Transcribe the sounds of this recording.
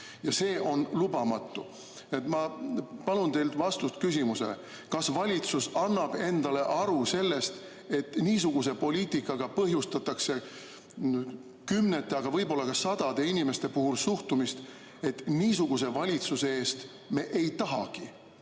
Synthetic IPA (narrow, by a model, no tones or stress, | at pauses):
jɑse̞ːʔo̞nlubɑmɑt̪ːˑu | net̪mɑpɑlunt̪e̞jlt̪vɑst̪ust̪kys̬ʲimuse̞̰lḛ | kɑsvɑlʲit̪susɑnːɑb̥e̞nd̪̥ɑle̞ʔɑɾuse̞lːe̞st̪ | e̞t̪ːniːs̬uɡ̥us̬e̞po̞liːt̪ikːˑɑɡ̥ɑpɤɦjust̪ɑt̪ːˑɑkse̞ | kymnet̪ːˑeɑɡ̥ɑvɤ̞jbo̞lːɑkɑsɑd̪̥ɑd̪̥e̞inime̞st̪e̞puɦulsuht̪umist̪ | e̞t̪ːniːsuɡ̥us̬e̞vɑlʲit̪susee̞ːst̪ | me̞ʔejt̪ɑɦɑ̰ɡ̥i